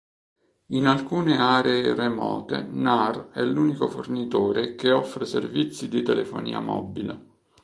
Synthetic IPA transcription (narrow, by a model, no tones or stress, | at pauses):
inalkuːneaːɾeːremɔ̰ːt̪ḛnarɛlːuːnikofornit̪oːɾekeɔfːɾesḛrvit̪sːid̪it̪elefo̰nḭːa̰mɔ̰bile